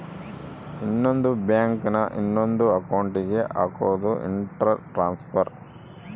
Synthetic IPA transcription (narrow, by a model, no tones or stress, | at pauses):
inːond̪ubjaːŋknɐʔinːond̪uɐkɐwuɳʈiɡe̞ʔaːkoʋd̪uʔḭɳʈɾaʈɾaːnspʰɐɾ